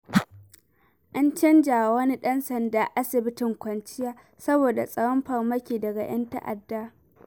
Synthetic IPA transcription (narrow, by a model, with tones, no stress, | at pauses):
ʔa˦nt͡ʃɐ˦nd͡ʒaː˨wɐ˦ni˦ɗɐ˦nsɐ˨ndaː˨ʔa˦sɪ˨bɪ˦tɪ˨ŋkʷɐ˨nt͡ʃɪ˦jaː˦ | sɐ˦boː˨da˨sʼɐ˦wɐ˦mɸɐ˨rmɐ˦kʲiː˨dɐ˨ɡa˨j̰ɐ̰˦nta̰˦ʔa̰˨dːaː˦